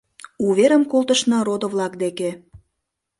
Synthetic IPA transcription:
uβeɾə̆mkolˠt̪əʃnɑɾod̪ŏβlɑkd̪ekĕ

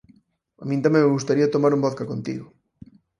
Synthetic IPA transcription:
a̰mĩnt̪amẽmeɣust̪aɾiɐt̪omaɾumbɔθkɐkont̪ḭɣʊ

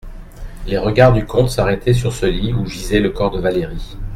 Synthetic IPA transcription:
leʁəɡaʁd̪ykʰɔ̃t̪saʁɛt̪ʰɛs̬yʁsəliuʒizɛləkɔʁd̪əvaleʁi

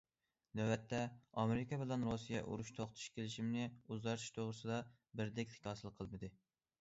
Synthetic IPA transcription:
nɛwɛt̪ʰːɛɑmeɾɪkʰʲɑbɪlˠɛnɾosijɛ̰ʔṵɾuʃt̪ʰoχt̪ʰu̥ʃkʲʰelɪʃimnɪuzʁɑɾt̪ʰu̥ʃt̪ʰoʁɾɨsɨd̪ɑ | bɪɾd̪ɛkʲt̪ʰɪ̥kʲʰɑːsɨlˠqʰːəlˠmɨd̪ɨ

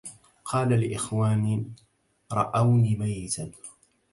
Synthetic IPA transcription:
qʰɑːlalɪʔɪxwaːnɪ | ɾˤɑʔawniːmajːɪt̪an

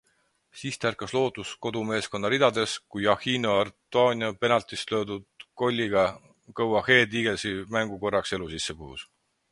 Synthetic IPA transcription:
siːst̪ærkɑslo̞ːt̪ˑusko̞d̪ume̞ːsko̞nːɑɾid̪̥ɑd̪e̞skujɑhiːnoɑrt̪ˑuɑːniɑpe̞nɑlt̪islø̞ːd̪ud̪̥̚ko̞lʲːiɡ̥ɑ | kɤwɑhe̞ːd̪iːɡ̥e̞lsimæŋɡ̥uko̞rːɑkse̞lusisːekuhṵs

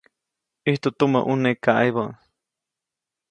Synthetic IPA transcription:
iht̪ut̪umaʔunekaʔajβaʔ

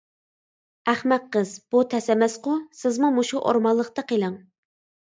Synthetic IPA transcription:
æχmɛt̪̚qəzb̥ut̪ʰɛsɛmɛsqʊsɪzmumuʃuʔo̰ɾmɑlˠːəqt̪ɑqʰelˠɨŋ

